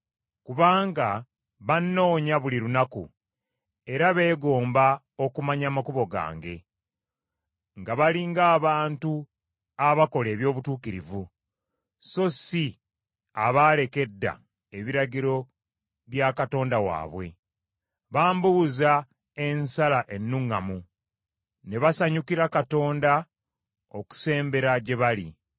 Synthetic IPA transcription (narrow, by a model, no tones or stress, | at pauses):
kuβaːŋɡa | βanːo̞ːɲaβuliɾunakṵ | e̞ɾaβe̞ːɡo̞ːmba | o̞kumaɲamakuβo̞ɡa̰ːŋɡe̞̰ | ŋɡaβaliŋɡaːβaːntu | aβako̞le̞ːβjo̞ːβutuːkiɾḭvu | so̞si | aβaːle̞ke̞dːa̰ | e̞βiɾaɟiɾo̞ | βjakato̞ːndawa̰ːβwe̞̰ | βaːmbuza | e̞nsalaʔe̞nːuŋamu | ne̞βasaɲukiɾakato̞ːnda | o̞ku̥se̞ːmbe̞ɾaɟe̞βali